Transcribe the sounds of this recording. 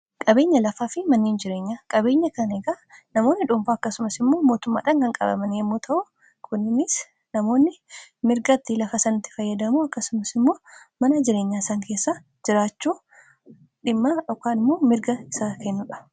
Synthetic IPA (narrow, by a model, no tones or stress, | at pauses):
kʼɐbe̞ːɲːɐlɐfaːfɪmɐnːiːnd͡ʒɪɾe̞ːɲːaːkʼɐbe̞ːɲːɐkɐneɡaːnɐmo̞ːnːɪᶑʊmfaːɐkːɐsʊmɐsɪmːo̞ːmo̞ːt̪ʊmːa̰ːᶑaːŋkɐŋkʼɐ̰bɐ̰mɐnjɛmːuːt̪ʰɐʔʊ | kʰʊnːɪnɪs | nɐmo̞ːnːɪmɪɾɡɐt̪ːɪlɐfɐsɐnʊt̪ːɪ̥fɐjːɐd̪ɐmuɐkːɐsʊmɐsɪmːo̞ːmɐnɐd͡ʒɪɾe̞ːɲːaːɪsaːŋke̞ːsːa | d͡ʒɪɾaːt͡ʃːuː | ᶑɪmːaːjɔkːaːnɪmːoːmɪɾɡɐɪsaːkɛnːʊᶑɐ̥